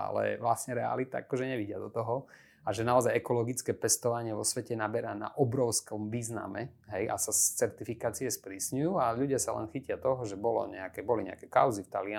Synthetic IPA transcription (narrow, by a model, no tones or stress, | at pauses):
a̰lɛ̰ʋlasɲɛɾɛa̰lit̪a̰a̰kɔʒɛɲɛʋiɟɪad̪ɔt̪ɔɦɔ | aʒɛnaɔzajɛkɔlɔɡit͡skɛːpɛst̪ɔʋaɲɪɛʋɔsʋɛcɛnabɛɾana̰ʔɔbɾɔʊskɔmʋiːzna̰mɛ | ɦɛjʔa̰sast͡sɛɾt̪ifikaːt͡siɛspɾiːsɲujuːaʎuɟɪasalɛ̰nxicɪat̪ɔɦɔʒɛbɔlɔ̰ɲɛ̰akɛbɔliɲɛ̰a̰kɛka̰ʊzift̪a̰lɪa